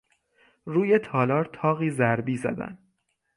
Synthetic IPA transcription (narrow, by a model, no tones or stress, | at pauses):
ruːje̞t̪ʰɒːlɒːɾt̪ʰɒːɣiːzæɾbiːzæ̰d̪æ̰nd̪